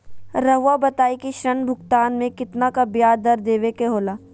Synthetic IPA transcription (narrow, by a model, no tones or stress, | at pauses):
ɾɐɦʋabɐt̪aːikiʃɾɐnbʱʊkt̪aːnmẽkɪt̪nakabjaːɾd̪ɐɾd̪eːʋekeɦoːlaː